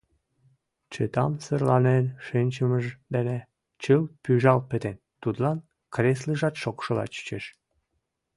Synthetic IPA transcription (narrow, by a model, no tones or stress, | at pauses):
t͡ɕət̪ɑmsərlɑnenʃinʲt͡ɕəməʒd̪ene | t͡ɕəlpyʒɑlpə̆t̪en | t̪ud̪lɑn | kresləʒɑt̪ʃokʃəlɑ̰t͡ɕə̥t͡ɕeʃ